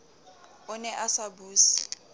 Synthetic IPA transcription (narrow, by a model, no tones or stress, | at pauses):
ʊnɛʔasabuːsi̥